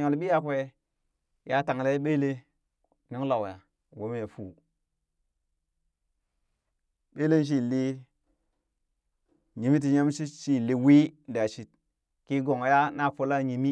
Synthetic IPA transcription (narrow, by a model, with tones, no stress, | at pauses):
ɲo˨lɓi˦a˦kʷe˦ | ja˦ta˨ŋ˨la˦ɓe˦le˦ | ni˦ŋ˦la˨wja˨ | wo˦m˦a˨fu˨ | ɓe˦le˦n˦ʃ̬i˦˨li˦ | ɲi˨mi˦t̬i˨ɲa˦m˦ʃi˦ʃi˦˨li˨wi˦˨da˨ʃi˨t̚ | ki˦ɡo˨ŋ˨ja˦na˦˨fo˦la˦ɲi˨mi˦